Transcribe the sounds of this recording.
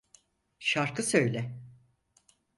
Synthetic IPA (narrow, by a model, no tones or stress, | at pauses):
ʃaɾkʰɯsø̞jlʲɛ